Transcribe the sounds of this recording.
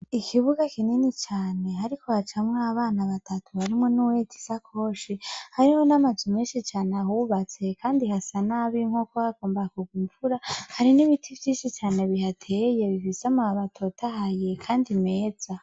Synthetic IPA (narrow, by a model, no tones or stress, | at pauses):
ikʰiβuɡakininit͡ʃaːne̞ɦaɾikʰo̞hat͡ʃamŋaːβaːnaβatʰatuhaɾimŋo̞nuwetʰi̥sakʰo̞ʃihaɾiho̞namazimeːnʃit͡ʃaːneaɦuβat͡se̞kʰaːndihasanaβiŋ̥hokohaɡoːmbakuɡuɱvuɾahaɾiniβitʰivjiːnʃit͡ʃaːne̞βihatʰeje̞βifisamaaβatʰotʰahaje̞kʰaːndimeːd͡za